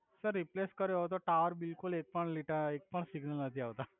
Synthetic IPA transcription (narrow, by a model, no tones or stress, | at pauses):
səɾːipleskəɾjot̪̬oʈaʋəɾbilkulek̚pəɳliʈəɾek̚pəɳsiɡnəlnət̪ʰiːaʋt̪a